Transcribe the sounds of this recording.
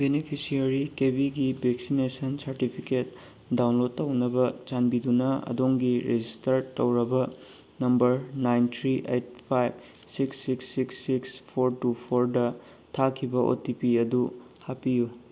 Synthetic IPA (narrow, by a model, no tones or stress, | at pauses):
benipʰisiɐɾikebiɡibʱeksinesɐnsɐɾtipʰiket̚ | dawnlod̚ːɐwnɐbɐt͡ʃanbidunɐɐ̰doŋɡiɾed͡ʒistɐɾtɐwɾɐbɐ | nɐmbɐɾnajntʰɾiʔejt̚pʰajb | siksːiksːiksːikspʰoɾtupʰoɾdɐ | tʰakʰibɐʔo̰tipiɐdu | hapiju